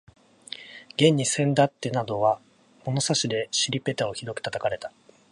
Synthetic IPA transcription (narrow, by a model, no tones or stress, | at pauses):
ɡ̥ẽ̞ɲ̟ːisẽ̞nd̪at̪ːe̞nad̪o̞βa | mo̞no̞saɕid̪e̞ɕiɾʲipe̞t̪ao̞çiɾo̞kɯ̥t̪at̪akaɾe̞t̪ḁ